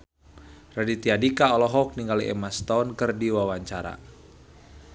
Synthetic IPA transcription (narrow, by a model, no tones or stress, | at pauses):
radit̪iadikaɔlɔɦɔk̚niŋɡaliɛ̰mast̪aunkərdiwawaɲt͡ʃaɾa̰